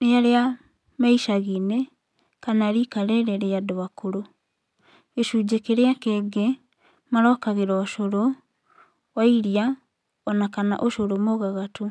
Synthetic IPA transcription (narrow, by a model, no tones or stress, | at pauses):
neaɾea | maiʃaɣine | kanaɾikaɾeɾeɾeadoakoɾo | eʃud͡ʑekeɾeakeːɡe | maɾɔkaɣeɾɔːʃoɾo | waiɾia | ɔnakana̰ʔoʃoɾomoɣaɣatu